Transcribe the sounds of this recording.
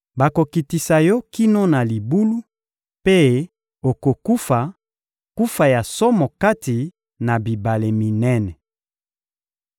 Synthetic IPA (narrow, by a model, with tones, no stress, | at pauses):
ba˨ko˨ki˨ti˨sa˨jɔ˦ki˦no˦na˨li˨bu˦lu˦ | pe˦ | o˨ko˨ku˦fa˨ | ku˦fa˨ja˨sɔ˦mɔ˨ka˦ti˨ | na˨bi˨ba˨le˨mi˨nɛ˦nɛ˨